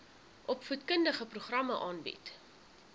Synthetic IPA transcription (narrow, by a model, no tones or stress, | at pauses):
ʔɔpfutkəndəχəpɾuχrɐməʔɑːnbḭt